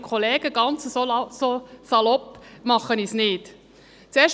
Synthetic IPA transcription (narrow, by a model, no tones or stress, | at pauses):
kʰχoleːɡəɡ̥ɑnt͡səsososɑlɔpmɑχənisnɪːt | t͡sɛːʃ